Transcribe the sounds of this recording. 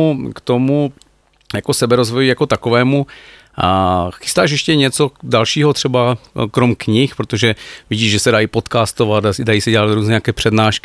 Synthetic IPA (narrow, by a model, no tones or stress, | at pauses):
ukt̪omu | jako̞sɛbɛɾozvojijako̞t̪akovɛːmu | xɪ̥st̪aːʃ̬jɛʃcɛɲɛt͡so̞dalʃiːɦot̪r̝̥ɛbakɾomkɲɪxpɾot̪oʒɛvɪɟiːʒʒɛsɛdajipot̪kaːst̪ovat̪asdajiːsɛɟɛlat̪ɾuːznɛːɲakɛːpr̥ɛdnaːʃkɪ